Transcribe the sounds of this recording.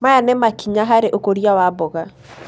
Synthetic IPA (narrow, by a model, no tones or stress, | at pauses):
majanɛmakiɲaɦaɾeʔokoɾjawabɔɣa